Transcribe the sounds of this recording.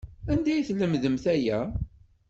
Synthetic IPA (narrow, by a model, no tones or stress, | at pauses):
ænd̪æjθləmðəmθæjæ